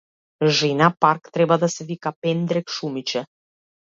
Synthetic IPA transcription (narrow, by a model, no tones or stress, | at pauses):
ʒinapaɾkt̪ɾɛbad̪asɛvikapɛnd̪ɾɛkʃumit͡ʃɛ